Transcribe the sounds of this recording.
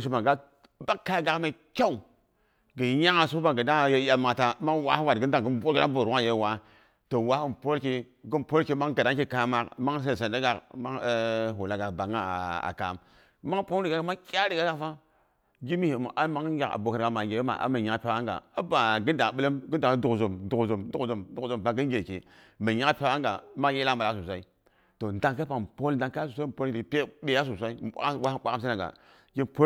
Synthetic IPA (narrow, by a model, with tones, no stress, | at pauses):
s̬u˦ma˨ɡa˦ | ba˦kːa˦ɡa˨kma˨˦kʲa˦u˨ | ɡə˨˦ja˦ŋa˨su˦ba˨ɡə˨da˦˨je˦a˨ma˨ta˨˦ma˦wa˦hwa˨ə˦n˦da˨ŋ˨ɡə˦m˦bo˦ki˦da˦bo˨ɾwʷa˦˨je˦˨wa˨ | to˨wa˦hu˦mpo˦lki˦ | ɡə˦npo˦lki˦ma˦ŋɡa˨da˦ŋki˦ka˨ma˨kma˦ŋ˦s̬e˦˨sa˨nda˦ɡa˨kma˦ɦo˨la˨ɡa˨ba˨ŋa˦˨a̰˨ka̰˨m | ma˦ŋ˦po˦n˦ɾi˨ɡa˦ɡa˨˦ma˦kʲa˦ɾi˨ɡa˦ɡa˦fa˦ | ɡi˦mi˦he˨m˨ʔa˦ma˨˦ŋ˦ɡʲa˨a̰˨bo˨ka˨ɾɡa˨ma˨ɡʲe˨˦ma̰˨ʔa̰˦ma˨ɲa˨˦pe˦a˦ŋɡa̰˨a˦ba˨ɡi˦n˦da˨ɓə˦lə˦mɡə˦n˦da˨ŋ˦du˨kzo˨mdu˨kzo˨mdu˦kzu˨mdu˦˨zo˨m˨pa˨ɡi˦n˦ɡʲe˨kḛ˨ | mə˨ɲa˦pʲe˦wa˦ŋɡa̰˨ma˦je˦la˦ma˨la˨˦s̬u˨sʷa˦i˦ | to˨nda˨ŋka˦pa˨po˦lda˨ŋka˦a˦u˨sʷa˦˨po˦lpʲe˦ɓe˨ja˦s̬u˨s̬ʷa˦i˦a̰˦wa˦k͡pʷa˦a˦msa˦na˨ɡa̰˨ | ɡi˦npo˦